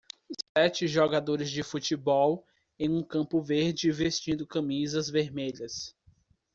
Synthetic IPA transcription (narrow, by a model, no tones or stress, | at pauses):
sɛt͡ʃɪʒoɡad̪oɾɪzd͡ʒɪfut͡ʃibɔw | ẽj̃ũkɐ̃pʊveɾd͡ʒɪvest͡ʃĩnd̪ʊkɐ̃mizɐzveɾmeʎɐs